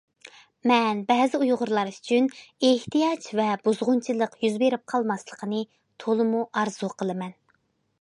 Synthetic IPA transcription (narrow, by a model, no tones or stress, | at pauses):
mɛnbɛzɪujʁʊɾlˠɑɾy̥t͡ʃʰyneht̪ijɑt͡ʃvɛbuzʁʊnt͡ʃʰilˠəqjyzbeɾɪp̚qʰɑlˠmɑslˠəqʰənɨ | t̪ʰolˠɨmuʔɑɾz̥uqʰəlˠɨmɛn